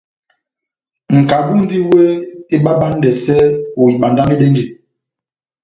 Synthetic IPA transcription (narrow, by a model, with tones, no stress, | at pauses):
ŋ̩˨ka˨bu˦n˦di˦we˦i˦ɓa˦ɓa˦n˦dɛ˨sɛ˦o˨i˨ɓa˨nda˦n˦i˦ɗe˦n˦d͡ʒi˨